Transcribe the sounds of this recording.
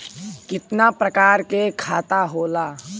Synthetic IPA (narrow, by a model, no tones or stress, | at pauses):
kɪt̪napɾɐkaːɾkekʰaːt̪aɦoːlaː